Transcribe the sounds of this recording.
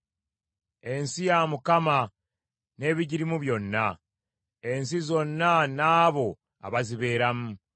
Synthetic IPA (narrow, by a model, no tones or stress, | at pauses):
e̞nsijamukama | ne̞ːβiɟiɾimuβjo̞nːa | e̞nsizo̞nːanaːβo̞ | a̰βaziβe̞ːɾamu